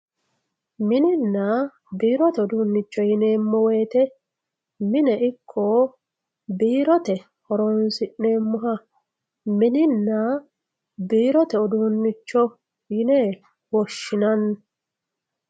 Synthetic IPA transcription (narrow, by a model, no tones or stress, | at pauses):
mɪnɪnːɐ | biːɾɔt̪ɛɔd̪ʊnːɪt͡ʃːɔjɪneːmːɔweːt̪ɛ | mɪnɛʔɪkʰːɔ | biːɾɔt̪ɛ | hɔɾɔnsɪʔne̞ːmːʊɦɐ | mɪnɪnːɐ | biːɾɔt̪ɛɔd̪unːɪt͡ʃːɔ | jɪneː | wɔʃːɪnɐnː